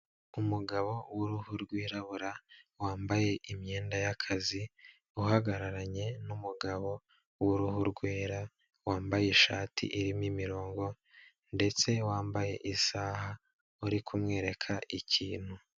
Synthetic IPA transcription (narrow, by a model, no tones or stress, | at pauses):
umuɡaβo̞wuɾuhuɾɡwiːɾaβuɾawaːmbaje̞ʔimɲe̞ːndajakʰazi | uɦaɡaɾaɾaɲe̞numuɡaβo̞ | wuɾuhuɾɡweːɾa | waːmbajeʃaːtʰḭʔiɾimimiɾo̞ːŋɡo̞ | nde̞t͡se̞waːmbaje̞̰ʔisaːha | uɾikʰumŋe̞ːɾe̞kʰaʔiciːn̥hu